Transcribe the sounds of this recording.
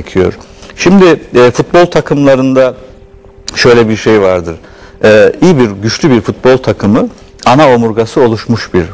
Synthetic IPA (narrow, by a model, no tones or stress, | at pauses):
cʰijo̞̰ɾ̥ | ʃimd̪ɪɛːfut̪̚bo̞lˠt̪ʰakʰɯmlˠaɾɯnd̪a | ʃø̞jlʲɛbiɾʃe̞jvaɾd̪ɯɾ̥ | ɛːijibiɾɟyt͡ʃlʲybiɾfut̪̚bo̞lˠt̪ʰakʰɯmɯ | anao̞muɾɡasɯo̞lˠuʃmuʃbiɾ